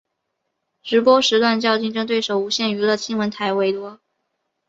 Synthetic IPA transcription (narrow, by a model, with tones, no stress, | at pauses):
ʈ͡ʂɻ̩˧˥pwɔ˥ʂɻ̩˧˥t̪wa˥˧nt͡ɕjɑ˥˧ʊt͡ɕi˥˧ŋʈ͡ʂɤ˥˧ŋt̪we˥˩ɪʂo˨˩ʊu˧˥ɕjɛ˥˩ny˧˥lə˧t͡ɕʰi˥ŋwə˧˥nt̪ʰa˧˥˩ɪwe˥ɪt̪wɔ˥